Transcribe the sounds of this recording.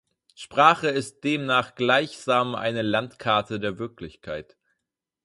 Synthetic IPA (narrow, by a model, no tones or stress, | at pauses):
ʃpʁ̥aːχəɪst̚d̥eːmnaːχɡ̥laɪçz̥aːmʔa̰ɪnəlantkʰaɐtʰədeːɐvɪɐklɪçkʰaɪt